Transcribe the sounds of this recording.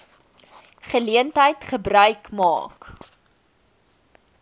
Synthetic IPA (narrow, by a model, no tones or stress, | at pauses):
χəliəntɦəjtχəbrœɥkmɑ̰ːk